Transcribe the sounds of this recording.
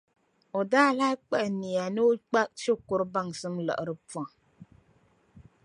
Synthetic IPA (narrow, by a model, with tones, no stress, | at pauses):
o˨daː˦laː˦k͡pɛ˦ʔni˨ja˨nɨ˦k͡pa˦ʃo˦kʊ˨ɾɨ˦ba˦˨ŋsɨ˦mlə̰˨ʔɨ˨ɾɨ˦pɔ˨ŋ